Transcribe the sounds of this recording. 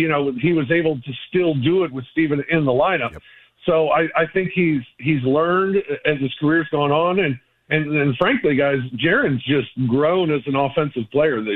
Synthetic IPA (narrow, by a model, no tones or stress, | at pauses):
jɨñoʊiwʌzeɪbl̩ˠtʰɨstɪlˠdəɪt̚wɨð̥stivɨ̃nɪ̃nðəlãɪ̃nʌp | soʊaɪʔaɪθɪ̃ŋkhiz̥izlɜ̃˞ndɨt̪̚ðɨz̥kʰə˞ɪɹzɡɔɪ̃ŋə̃nɨ̃n | ɨ̃nɨ̃nfɹæ̃ŋkliɡaɪzd͡ʒɛɹɨ̃nzd͡ʒʌst̚ɡɹõʊ̃nɨzɨ̃n̩əfɛ̃nsɨv̥pʰl̥eɪə˞ðɨ